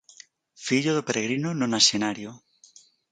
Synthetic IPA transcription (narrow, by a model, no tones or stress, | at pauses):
fiʎoðopeɾeɣ̞ɾinononasenaɾjo